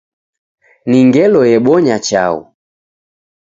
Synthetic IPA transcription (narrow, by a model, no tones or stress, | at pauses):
niŋɡɛlɔjɛɓɔɲat͡ʃa̰ṵ